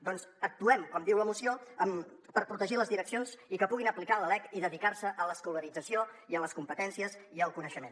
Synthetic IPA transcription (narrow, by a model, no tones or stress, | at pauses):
d̪ɔnzək̚t̪uɛmkɔmd̪iwləmusioəm | pəɾpɾut̪əʒiləzðiɾəksionzikəpuɣ̞inəplikaləlɛkiðəðikaɾsəʔələskuləɾid͡zəsioiələskumpət̪ɛnsiəziəlˠkunəʃəmen